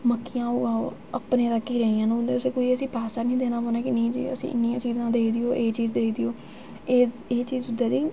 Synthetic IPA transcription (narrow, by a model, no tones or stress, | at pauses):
məkʰːijãːoːaːoː | əpneːt̪akːiːɾeːijãːnʊnd̪eːʊseːkoːiːəsĩːpaːsaːnĩːd̪eːnaːpoːnaːkɪnĩːd͡ʒḭːə̰sḭ̃ːʔɪ̰nːijãːt͡ʃiːzãːd̪eːiːd̪ɪoːʔeːt͡ʃiːzd̪eːiːd̪ɪjoː | eː | eːt͡ʃiːzʊd̪aːd̪iː